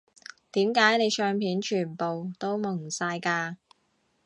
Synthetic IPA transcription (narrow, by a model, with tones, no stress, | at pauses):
t̪iː˨˥mkaː˨˥jne˨˧jt͡ʃœː˧ŋpʰiː˨˥nt͡ʃʰyː˨˩npo˨wt̪o˥wmʊ˨˩ŋsaː˧jkaː˧